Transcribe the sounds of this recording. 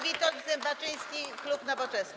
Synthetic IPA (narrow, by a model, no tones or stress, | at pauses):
vʲit̪ɔɡzɛmbat͡ʂɘj̃skʲiklupnavɔt͡ʂɛsn